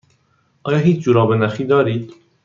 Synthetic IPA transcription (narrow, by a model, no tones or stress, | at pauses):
ʔɒːjɒːɦiːt͡ʃʰd͡ʒuːɾɒːbenæxiːd̪ɒːɾiːd̪̥